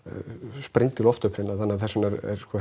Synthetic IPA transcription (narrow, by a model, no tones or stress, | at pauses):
spɾejŋt̪ɪlɔft̪ʏhpʰɾɪnaθanːaθɛsːɪmnɛɾɛ̰ɾskɔ